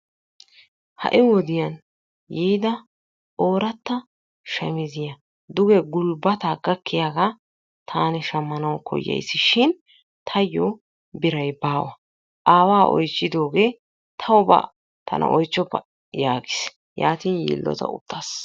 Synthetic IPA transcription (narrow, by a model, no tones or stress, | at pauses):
hɐ̰ʔɪwɔd̪ɪjɐn | jijd̪ɐ | ʔo̞ːɾɐt̪ːɐ | ʃɛmɪzɪjɐ | d̪ʊɡɛɡʊlbɐt̪aɡɐkːɪjaːɡa | t̪ʰaːnɪʃɐmːɐnɐwkʰɔ̰jːɐ̰jsːɪʃɪn | t̪ʰɐjːɔ | bɪɾɐjbaːwɐ | ʔaːwaːʔɔ̰jt͡ʃːɪd̪o̞ːɡe̞ː | t̪ʰɐwba̰ | t̪ʰɐ̰nʔɐ̰ʔɔjt͡ʃːɔpːɐ | jaːɡɪs | ja̰ːt̪iːnjḭːlːɔ̰t̪ɐ̰ʊ̰t̪ːaːs